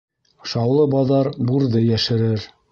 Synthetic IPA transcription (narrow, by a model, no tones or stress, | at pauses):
ʃɑwlˠɤbɑðɑɾbuɾðɤjæʃɘ̆ɾɘɾ